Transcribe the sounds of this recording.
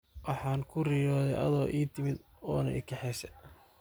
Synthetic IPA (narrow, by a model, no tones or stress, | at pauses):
wɑħɑːŋkʰʊriːjɔːðɛjʔɐ̰ðɔːʔiːt̪ʰɪmɪd̪ | ɔːnɐ̰ʔɪkʰɛħɛːsɛ